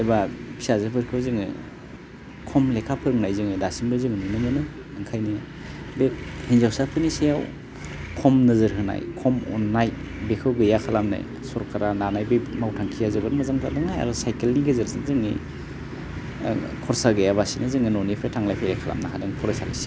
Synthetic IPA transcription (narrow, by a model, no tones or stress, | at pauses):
ejbapʰi̥sazɯbɯɾkʰɯwzɯŋɯ̰ | kʰɔmlekʰapʰɯɾŋnajzɯŋɯdasinbɯzɯŋɯnɯnɯmɯnɯ | ɯŋkʰajni | bek̚hinzawsapʰɯnisejaw | kʰɔmnɯzɯɾɦɯna̰jkʰɔmɔ̰nːaj | bekʰɯwɡɯjakʰalamna̰j | sɔɾkʰaɾananajbɯmawtʰaŋkʰijazɯbɯɾmɯzaŋtʰadɯŋaja̰ɾɔsajkelniɡezɯɾzɯŋzɯŋḭ | kʰɔɾsaɡɯjaβasinɯzɯŋɯnɔnipʰɾetʰaŋlajpʰajakʰala̰mnaɦʰadɯŋpʰɔɾasa̰lḭse̥